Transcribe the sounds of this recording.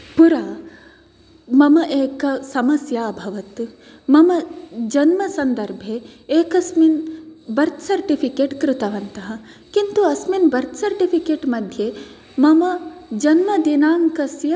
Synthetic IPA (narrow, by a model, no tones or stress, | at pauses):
puɾaː | mɐmɐʔeːkɐsɐmɐsjaːbʱɐʋɐt̪ | mɐmɐd͡ʒɐnmɐsɐnd̪ɐɾbʱeːkɐsminbɐɾt̪sɐɾʈipʰikeːʈkɾut̪ɐʋɐnt̪ɐɦɐ̆ | kint̪uɐsminbɐɾt̪sɐɾʈipʰikeːʈmɐd̪ʱje | mɐmɐd͡ʒɐnmɐd̪inaːŋkɐsjɐ